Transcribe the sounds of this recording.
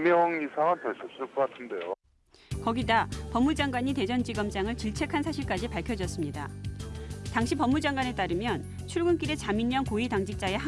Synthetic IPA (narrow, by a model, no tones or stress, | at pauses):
mjʌŋisʰaŋɯnteɭs͈ʰʌp̚s͈ɯɭk͈ʌk͈atʰɯnde̞jo | kʌɡidapʌmːud͡ʑaŋɡwaɲite̞d͡ʑʌnd͡ʑiɡʌmd͡ʑaŋɯɭt͡ɕiɭt͡ɕʰe̞kʰansʰaɕʰiɭk͈ad͡ʑipaɭkʰjʌd͡ʑʌs͈ɯmɲida | taŋɕʰipʌmːud͡ʑaŋɡwane̞t͈aɾɯmjʌn | t͡ɕʰuɭɡɯnk͈iɾe̞t͡ɕamiɲːʌnkoitaŋd͡ʑik̚t͡ɕ͈ae̞ɦa